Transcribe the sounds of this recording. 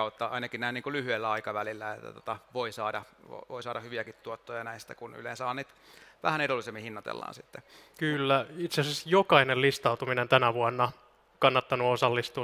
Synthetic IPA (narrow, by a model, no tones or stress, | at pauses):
ɑut̪ːɑɑ̰inɑkinnæiniːŋkulyhyelːæɑikɑʋælilːæet̪ːæ̰t̪o̥t̪ɑʋoisɑːdɑʋo̰ʋoisɑːdɑhyʋiækit̪t̪ːuot̪ːojɑnæist̪ækuny̰lḛːnsɑːnit̪ | ʋæhænedolːisemːihinːɑt̪ḛlːɑ̰ːnsit̪ːekylːæit̪seɑsɑsjokɑinelist̪ɑut̪uminent̪ænæʋuɑnːɑ | kɑnːɑt̪ːɑnuosɑlːist̪uː